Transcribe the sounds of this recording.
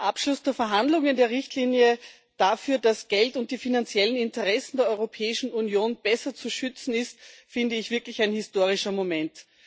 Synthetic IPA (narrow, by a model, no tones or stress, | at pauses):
ʔapʃlʊsd̥eːɐfɛɐɦandlʊŋəndeːɐʁɪçtliːnjə | d̥afyːɐd̥asɡ̥ɛltʊnt̚d̥iːfinant͡sjɛlənɪntəʁɛsn̩deːɐɔʏʁopʰɛːɪʃn̩unjoːnb̥ɛsɐt͡suʃʏt͡sn̩ɪstfɪndəɪçv̥ɪɐklɪçaɪnhɪstoːʁ̞ɪʃɐmomɛnt